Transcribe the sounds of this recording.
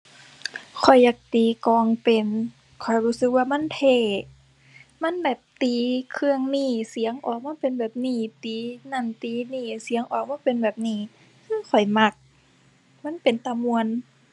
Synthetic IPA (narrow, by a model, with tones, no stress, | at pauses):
kʰɔ˨˩jːaː˨˧˩k̚t̪iː˨˦kɔː˧˩ŋpe˨˩n | kʰɔ˨˩jhuː˧˥˩sɯ˧˦k̚waː˧ma˧˥˨nt̪ʰeː˧˩ | ma˧˥˨nbɛː˨˩p̚t̪iː˨˦kʰɯ˧əŋniː˧˩si˨˦əŋʔɔː˨˩k̚maː˧˥˨pe˨nbɛː˨˩p̚niː˧˩t̪iː˨˦na˧˩nt̪iː˨˧˦niː˧˩si˨˦əŋʔɔː˨˩k̚maː˧˥˨pe˨nbɛː˨˩p̚niː˧˩ | kʰɯː˧˥˨kʰɔ˨˩jma˧˩k̚ | ma˧˥˨npe˨nt̪a˧mu˧ən